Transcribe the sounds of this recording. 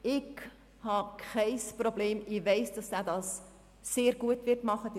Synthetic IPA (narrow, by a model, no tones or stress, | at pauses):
ɪɡ | hɑkʰχɛɪsprobleːmɪvɛɪsd̥ɑsdæːdɑːsː | eːɾɡuətvɪtmɑχəd